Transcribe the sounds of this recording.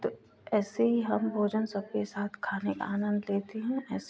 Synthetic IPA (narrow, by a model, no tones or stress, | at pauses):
t̪oː | ɛːseɦiɦɐmbʱoːd͡ʒənsɐb̚kesaːt̪ʰkʰaːneka̰aːnə̃nd̪leːt̪eɦɛ̃ɛːs